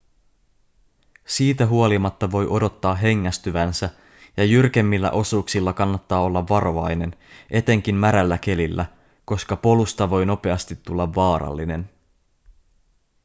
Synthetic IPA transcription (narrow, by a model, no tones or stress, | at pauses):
siːt̪æɦuo̞limɑt̪ːɑʋo̞jʔo̞do̞t̪ːɑːɦe̞ŋːæst̪yʋænsæ | jɑjyrke̞mːilːæ̰ʔo̞suːksilːɑkɑnːɑt̪ːɑːo̞lːɑʋːɑɾo̞ɑjne̞nʔe̞t̪e̞ŋk̟immæɾælːæk̟e̞lilːæ | ko̞skɑpo̞lust̪ɑʋo̞jno̞pe̞ɑst̪it̪ːulːɑʋːɑːɾɑ̰lːine̞n